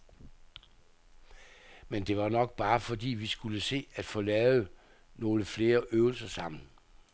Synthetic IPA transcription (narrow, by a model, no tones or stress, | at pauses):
mend̥e̝ʋɑ̈nɒ̽ɡ̥̚b̥ɑ̈ːfɒ̽d̥ḭːʋisɡ̥uləse̝̰ːæd̥fɔ̽ːlɛːʊð̩ˠ | no̝ːləfle̝ːɐʔøːʊl̩sɐsɑ̈m̰n̩